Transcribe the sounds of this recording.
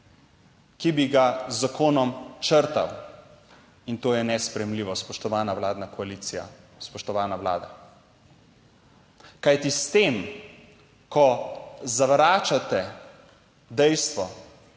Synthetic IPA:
kibiɡazːakoːnɔmt͡ʃəɾt̪a̰w | int̪oːjɛnɛspɾɛjɛmliːʋɔspɔʃt̪ɔʋaːnawlaːd̪nakɔaliːt̪sija̰ | spɔʃt̪ɔʋaːnawla̰ːd̪a̰ | kajt̪ist̪em | kʰɔzaʋɾaːt͡ʃat̪ɛ | d̪ɛjst̪ʋɔ

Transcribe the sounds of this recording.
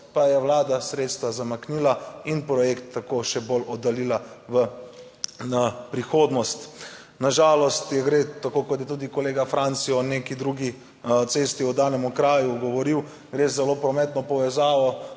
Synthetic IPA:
pajɛwlaːd̪asɾeːt̪st̪ʋazamakniːlainpɾɔjekt̪ːakoʃɛbolɔd̪alilaʋə | napɾixoːd̪nɔst̪ | naʒaːlɔst̪jɛɡɾet̪akoːkɔt̪̬jɛt̪̬uːd̪ikɔleːɡafɾʔant̪siɔnekid̪ɾuːɡi | t̪seːst̪iɔd̪aːnɛmukɾaːjuɡɔʋɔɾiw | ɡɾeːzɛlopɾɔmɛt̪nɔpɔʋɛzaːʋɔ

